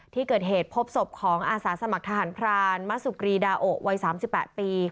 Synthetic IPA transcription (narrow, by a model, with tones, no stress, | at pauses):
t̪ʰiː˥˩kɤː˨˩t̪̚ɦeː˨˩t̪̚pʰo˦˥p̚so˨˩p̚kʰɔː˩˦ŋʔaː˧saː˩˦sa˧ma˨k̚t̪ʰa˧ɦaː˩˦npʰɾaː˧nma˦˥su˨˩kɾiː˧daː˧ʔo˨˩ʔ̚wa˧˥jsaː˩˦msi˨˩pːɛː˨˩t̪̚piː˧